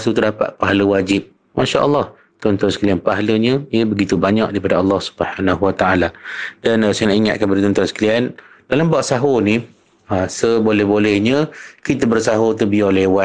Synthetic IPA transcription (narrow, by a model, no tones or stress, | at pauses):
sut̪ərdapa̰t̪̚paɦaləwad͡ʒɪp̚ | maʃaʔə̰lːɑh | t̪ɔnt̪ɔnsə̥klianpaɦaləɲə̃iəbəɡit̪ubaɲak̚daipadaɑlːɑhsu̥bəhanaɦuwat̪aʔalad̥ansajənãʔiŋa̰t̪̚kabadət̪ɔnt̪ansə̥klian | d̥alambaʔsaɦoni | asəbolɛhbolɛhɲə̃kit̪̬əbərsaɦot̪̬ubiarlewa